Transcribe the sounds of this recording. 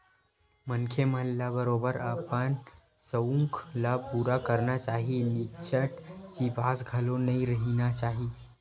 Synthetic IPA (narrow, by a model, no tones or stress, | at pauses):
mənkʰeməɦlːabəɾobəɾapən | səũŋklapuːɾakəɾnat͡ʃaːɦinit͡ʃʰəʈt͡ʃibasɡʱəlonəiɾəɦinat͡ʃaːɦi